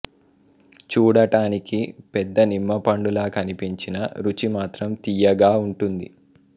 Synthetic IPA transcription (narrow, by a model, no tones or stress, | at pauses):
t͡ʃuːɽɐʈaːnikipɛd̪ːɐnimːɐpɐɳɖulaːkɐnipiɲt͡ʃinɐ̰ɾut͡ʃimaːt̪ɾɐmt̪ijɐɡaːuɳʈund̪ḭ